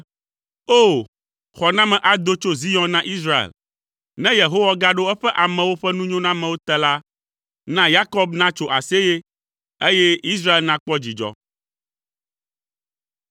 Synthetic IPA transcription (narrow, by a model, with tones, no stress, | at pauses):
o˦˨ | xɔ˨nã˦mɛ̃˨ʔa˨d̪o˦t͡ʃo˦zi˦jɔ̃˦nã˦ʔi˦s̬ɾa˦ḛ˨l | nɛ̃˦je˨ɦo˦wa˦ɡa˦ɖo˦ɛ˦ɸɛ˦ʔa˨mɛ̃˨wo˦ɸɛ˦nũ˦ɲõ˦nã˦mɛ̃˨wo˦t̪ɛ˦la˦ | nã˦ja˦kɔ˦bnã˦t͡ʃo˦ʔa˨se˦je˦ | e˦jɛ˦i˦s̬ɾa˦e˨lnã˦k͡pɔ˦d͡ʑi˨d͡ʒɔ̰˦